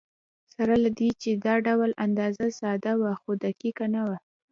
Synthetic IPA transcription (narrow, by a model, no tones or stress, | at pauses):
saɾalad̪it͡ʃed̪ɑɖawlʔand̪ɑzasɑd̪awaxod̪akikanawa